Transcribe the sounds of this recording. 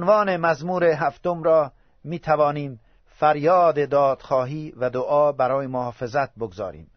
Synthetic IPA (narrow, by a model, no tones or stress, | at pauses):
onvɒːnemæzmuːɾeɦæft̪omɾɒː | miːt̪ʰævɒːniːm | fæɾjɒːd̪ed̪ɒːd̪̥xɒːɦiːvæd̪oʔɒːbæɾɒːjemohɒːfe̞zæt̪̚boɡzɒ̰ːɾḭːm